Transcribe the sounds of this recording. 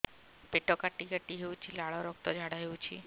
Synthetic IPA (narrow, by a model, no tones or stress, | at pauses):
peʈokaʈːiɡəʈːiɦeʋũt͡ʃʰilaɭɔɾɔk̚t̪ɔd͡ʒʱaɽaɦeʋũt͡ʃʰi